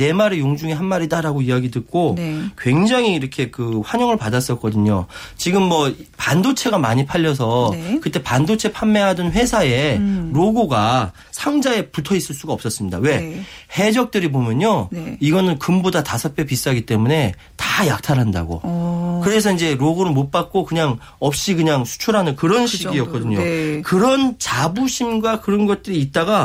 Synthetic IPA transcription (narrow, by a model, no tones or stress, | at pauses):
nemaɾejoŋd͡ʑuŋeɦanmaɾidaɾaɡoiaɡidɯt̚k͈okwe̞ŋd͡ʑaŋiːɾʌkʰe̞kɯɸwaɲʌŋɯɭpadas͈ʌk͈ʌdɯɲot͡ɕiɡɯmːʌpandot͡ɕʰe̞ɡamaɲipʰaʎːʌs̬ʰʌkɯt͈e̞pandot͡ɕʰe̞pʰamːe̞ɦadʌnɸwe̞sʰae̞ɾoɡoɡa | sʰaŋd͡ʑae̞putʰʌis͈ɯɭs͈uɡaʌp̚s͈ʌs͈ɯmɲida̰we̞he̞d͡ʑʌk̚t͈ɯɾibomjʌɲoiɡʌnɯnkɯmbodatasʰʌp͈ʰjepis͈aɡit͈e̞mune̞ | tajak̚tʰaɾɦanda̰ɡo̰kɯɾe̞sʰʌind͡ʑe̞ɾoɡoɾɯɭmop͈ak̚k͈okɯɲaŋ | ʌp̚ɕ͈ikɯɲaŋsʰu̥t͡ɕʰuɾɦanɯnkɯɾʌnɕʰiiɡiʌk͈ʌdɯɲokɯɾʌnt͡ɕabuɕʰimɡwakɯɾʌnɡʌt̚t͈ɯɾiːt̚t͈aɡa